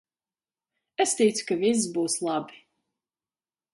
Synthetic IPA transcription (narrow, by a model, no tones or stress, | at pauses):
ɛst̪ʲɛjt̪su̥kavis̬ːbuːslˠabi̥